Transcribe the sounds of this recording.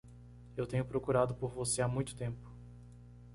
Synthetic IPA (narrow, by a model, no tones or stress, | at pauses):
ewt̪ẽɲʊpɾokuɾad̪ʊpoɾvoseamũj̃t̪ʊ̥t̪ẽmpʊ̥